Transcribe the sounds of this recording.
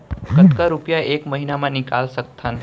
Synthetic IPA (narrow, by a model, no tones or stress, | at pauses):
kət̪kaɾupjaʔekməɦinamãnɪka̰lsək̚t̪ʰan